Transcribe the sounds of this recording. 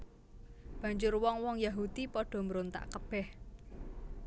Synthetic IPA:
b̥ä̤ɲd͡ʒʊrwɔŋwɔŋjaɦud̪̥ipɔɖ̥ɔ̤məɾont̪a̰ʔkəb̥ɛh

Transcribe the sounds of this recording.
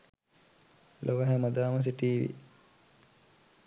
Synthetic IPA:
lʔoʋəɦɛmɐd̪aːmɐs̬iʈiːʋḭ

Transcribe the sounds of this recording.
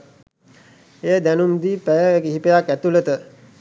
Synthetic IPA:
eːəd̪ænumd̪ipæjəɡiɦipəjakæt̪ulət̪ə

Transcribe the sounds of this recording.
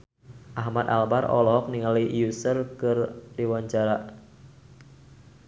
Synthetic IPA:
ʔaɦmat̪a̰lbarɔ̰lɔɔk̚niŋalijusərkɨrdiwaɲt͡ʃaɾa

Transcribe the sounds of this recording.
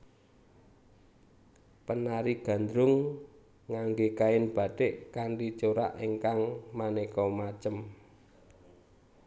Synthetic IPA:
pənaɾiɡ̥ä̤nd̪ɾʊŋː | aŋɡekaɪnb̥a̤ɖ̥eʔkaɳɖit͡ʃoɾaʔiŋkaŋmanekɔmat͡ʃəm

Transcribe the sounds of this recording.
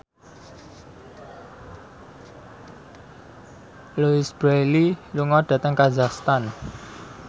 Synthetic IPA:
luisbɾeliluŋɔɖ̪̥ä̤t̪əŋkazakst̪an

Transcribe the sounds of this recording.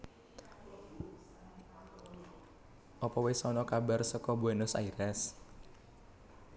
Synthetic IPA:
ʔɔpɔwesɔnɔkabarsəkɔbuɛnʊsa̰iɾɛs

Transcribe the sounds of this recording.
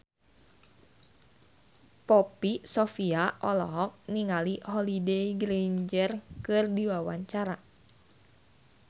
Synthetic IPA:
pɔpisɔfiaʔɔlɔ̰ɦɔk̚niŋaliɦɔlideiɡɾeɲd͡ʒərkɨrdiwawaɲt͡ʃaɾa

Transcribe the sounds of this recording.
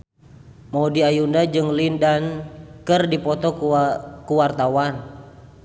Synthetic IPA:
mɔdiajundad͡ʒɨŋlindankɨrdipɔt̪ɔ | kuwart̪awan

